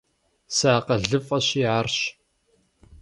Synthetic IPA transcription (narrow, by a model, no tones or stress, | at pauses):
saːqɐɮɨfɐɕiʕarɕ